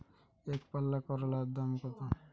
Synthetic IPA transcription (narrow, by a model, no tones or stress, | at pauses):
ekpalːakɔɾɔlad̪amkɔt̪a